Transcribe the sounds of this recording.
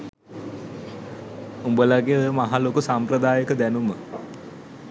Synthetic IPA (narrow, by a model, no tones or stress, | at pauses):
umbəlaɡeojəmaɦalokusamprəd̪aːjəkəd̪ænumə